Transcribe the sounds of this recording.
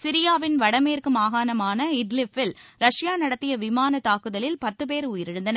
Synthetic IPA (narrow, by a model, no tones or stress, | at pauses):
sɪɾɪjaːʋɪnʋɐɽɐmeːrkɯmaːɣaːnɐmaːnɐɪɖlɪfɪlɾɐʂɪjaːnɐɽɐt̪ːɪjɐʋɪmaːnɐt̪aːkɯðɐlɪlpɐt̪ːɯpeːɾuːjɪɾɪɽɯnd̪ɐnɐ